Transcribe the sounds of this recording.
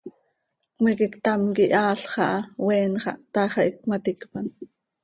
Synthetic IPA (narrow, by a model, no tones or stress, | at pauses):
kmikikt̪ɑmkiʔɑːɬχɑʔɑwɛːnχɑ̰ʔt̪ɑːχɑʔik̚mat̪ikpɑn